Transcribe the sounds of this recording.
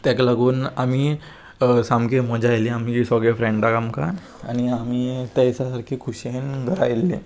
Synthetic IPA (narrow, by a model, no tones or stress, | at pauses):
t̪akaləɡuːnamiː | samkeməd͡ʑajliamid͡ʑisɔɡefɾẽɳɖd̪aɡamka̰n | a̰ñiamiːt̪asasaɾkʰiːkʰuɕenɡʱəɾajlːe